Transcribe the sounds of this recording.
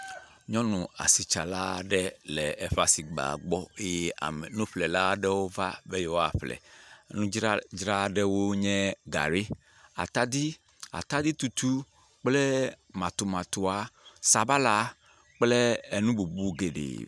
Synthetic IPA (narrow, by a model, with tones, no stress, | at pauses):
ɲɔ̃˦nũ˨a̰˨si˨t͡ʃa˨la˦ɖɛ˦lɛ˨ɛ˨ɸa˨si˨ɡ͡ba̰˨ɡ͡bɔ˦e˦ɛ˦a̰˨mɛ˨nũ˦ɸlɛ˨la˦ɖɛ˦wo˦va˦be˦jɛ˦wo˦a˨ɸlɛ̰˨˦nũ˦d͡ʒd͡ʒɾa˦ɖɛ˦wo˦ɲɛ̃˦ɡa̰˨ɾe˦ | a̰˨t̪a˦d̪i˦ | a̰˨t̪a˦d̪i˦t̪u˨t̪u˦ | k͡plɛ˦ | mã˨t̪o˨mã˨t̪o˨a˨sa˨ba˦la˦ | k͡plɛ˦e˨nũ˦bu˨bu˦ɡe˨ɖḛ˨